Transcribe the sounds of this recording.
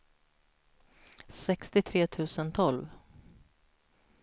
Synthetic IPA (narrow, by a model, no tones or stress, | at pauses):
sɛkst̪ɪt̪ʰɾeːt̪ʰʉ̟ːsənt̪ʰɔlv